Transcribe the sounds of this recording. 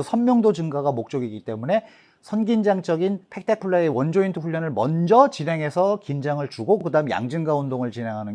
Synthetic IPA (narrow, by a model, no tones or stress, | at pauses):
sʰʌnmjʌŋdod͡ʑɯŋɡaɡamok̚t͡ɕ͈ʌɡiɡit͈e̞mune̞ | sʰʌnɡind͡ʑaŋt͡ɕ͈ʌɡinpʰe̞k̚tʰek̚pʰuɭːaewʌnd͡ʑointʰuɸuʎːʌnɯɭmʌnd͡ʑʌt͡ɕinɦe̞ŋɦe̞sʰʌkind͡ʑaŋɯɭt͡ɕuɡokɯdaɯmja̰ŋd͡ʑɯŋɡaondoŋɯɭt͡ɕinɦe̞ŋɦanɯn